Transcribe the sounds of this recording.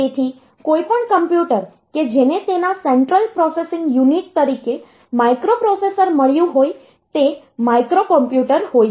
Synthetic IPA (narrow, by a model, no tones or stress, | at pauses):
et̪ʰi | kojpəɳkəmpjuʈəɾ | ked͡ʒenet̪enaseɳʈɾəlpɾɔsesɪ̃ŋɡjuniʈ̚t̪əɾike | maikɾopɾɔsesəɾməɭjũɦoj | t̪e | maikɾokəmpjuʈəɾɦoj